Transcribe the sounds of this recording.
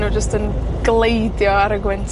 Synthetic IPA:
nud͡ʒəstənɡ̥lejdjɔaɾəɡwɛntʰ

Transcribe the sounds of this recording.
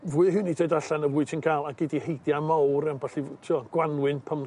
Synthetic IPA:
vuɨɦɨnidʰɔɨdaɬɛnəvʊɨd̥sʰinkʰaːlˠaɡɪdihejdjamawɾɛmbaɬitʰuɔɡ̥wanwɨnpʰəm

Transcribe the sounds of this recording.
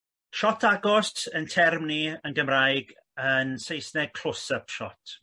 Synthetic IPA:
ʃɔtʰaɡɔstʰəntʰɛrmniənɡəmrajɡ | ənsejsnɛkʰl̥ʊsəpʃɔtʰ

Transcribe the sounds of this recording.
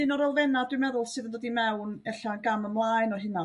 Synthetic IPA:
ɨnɔɾɔlˠvɛnadwɪmɛðʊlˠsɨːðəndɔdimɛwnɛɬanɡaməmlˠaːɨnɔɦɪna

